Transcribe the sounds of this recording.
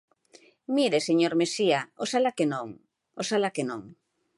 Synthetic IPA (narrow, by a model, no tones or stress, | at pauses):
miɾeseɲoɾmesiaosalakenõŋ | osalakenõŋ